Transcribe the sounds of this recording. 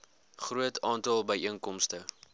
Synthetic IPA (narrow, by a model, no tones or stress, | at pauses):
χruətʰɑːntɑlˠbəjʔiənkɔmstə